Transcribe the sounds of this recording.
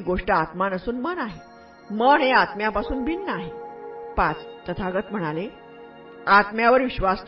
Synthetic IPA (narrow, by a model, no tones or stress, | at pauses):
ɡoʂʈəat̪manəsuːnmənaɦe | məɳ̃eat̪mjapasuːnbʱinːəaɦepat͡st̪ət̪ʰaɡət̪m̤əɽ̃ale | at̪mjaʋəɾʋiɕʋast̪